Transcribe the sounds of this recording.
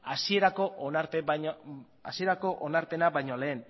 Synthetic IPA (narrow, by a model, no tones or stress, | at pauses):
asie̞ɾako̞ʔnaɾpe | a̰sie̞ɾako̞ʔonaɾpe̞naβajɲo̞le̞ːn